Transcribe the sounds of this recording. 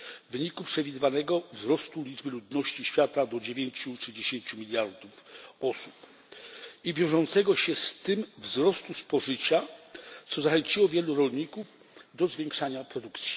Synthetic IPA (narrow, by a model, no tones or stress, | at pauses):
vɘɲikupʂɛvʲid̪ɘvanɛɡɔvzɾɔst̪ulʲid͡ʐbɘlud̪nɔɕt͡ɕiɕfʲjat̪ad̪ɔd͡ʑevʲjeɲt͡ɕut͡ʂɘd͡ʑeɕeɲt͡ɕumʲilʲjaɾd̪ufɔsup | ivʲjɔ̃w̃ʐɔnt̪sɛɡɔɕɛst̪ɘmvzɾɔst̪uspɔʐɘt͡ɕat̪sɔzaxɛɲt͡ɕiwɔvʲjɛluɾɔlɲikuv | d̪ɔzvʲjeŋkʂaɲapɾɔd̪ukt̪sʲi̥